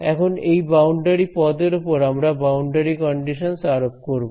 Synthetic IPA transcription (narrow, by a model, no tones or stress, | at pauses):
ɛ̰kʰonejbawɳɖeɾipɔd̪eɾupoɾamɾabawɳɖeɾikɔɳɖiʃonsaɾop̚koɾbo